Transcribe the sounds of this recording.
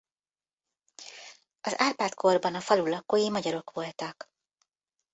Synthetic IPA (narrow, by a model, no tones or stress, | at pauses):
ɒzaːrpaːt̪kʰo̞rbɒnɒfɒlulɒkːoːjimɒɟɒɾo̞kʋo̞lt̪ɒk